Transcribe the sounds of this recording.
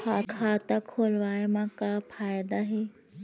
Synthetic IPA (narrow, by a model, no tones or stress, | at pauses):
aːkʰaːt̪akʰoːlʋaːjmãkafʰaːjd̪aɦeː